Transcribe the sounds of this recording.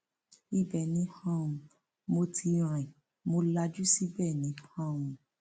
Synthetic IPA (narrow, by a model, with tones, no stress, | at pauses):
i˦˨bɛ˨nĩ˨˦hã˦˨ũ˧ | mo˧tʰi˧ɾ̃ã˨ĩ˨ | mo˧la˧d͡ʒu˦si˦bɛ˦˨nĩ˨˦hã˦˨wũ˧